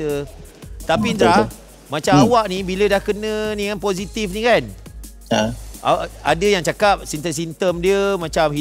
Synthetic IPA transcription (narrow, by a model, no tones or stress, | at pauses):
ə | t̪apind̪ɾa | mãt͡ʃamawaʔnibilədahkənə̃niŋanpozit̪ifnĩkan | a̰a̰dəjaŋt͡ʃakap̚sint̪əs̬int̪əmdiəmãt͡ʃamɦi